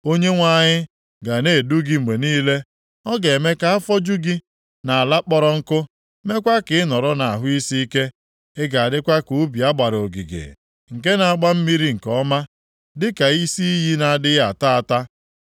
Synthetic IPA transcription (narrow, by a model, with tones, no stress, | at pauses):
o˦ɲe˦ŋʷa˦˨ɲɪ˦ | ɡa˨ne˦˨du˦ɡi˦ŋ͡m̩˨ɡ͡be˨niː˦le˦ | ɔ˦ɡe˨me˦ka˦a˦fɔ˦d͡ʒu˦ɡi˦ | na˨a˨la˦k͡pɔ˦ɾɔ˦ŋ̩˦kʊ˦ | me˦kʷa˦kɪ˨ɪ˦nɔ˨ɾɔ˦na˨a˨ɦʊ˦i˦si˦i˦ke˦ | e˦ɡa˨a˨dɪ˦kʷa˦ku˨˦bi˨a˦ɡ͡ba˨ɾo˨ɡḭ˨ɡḛ˨ | ŋ̩˨ke˦na˨a˨ɡ͡ba˦m̩˦mi˦ɾi˦ŋ̩˨kɔ˦ma˦ | dɪ˦ka˨i˦si˦i˦ɦi˦na˨a˨dɪ˦ja˨ta˦a˨ta˦